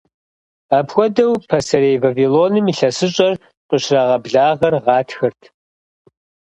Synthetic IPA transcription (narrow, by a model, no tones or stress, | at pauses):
aːpʰxʷɔdɐwpʰɐsɐɾeːjvaviloːnɨmiɬɐsɨɕʼɐr | qʼəɕraʁɐbɮaːʁɐrʁɑːtʰxɐrtʰ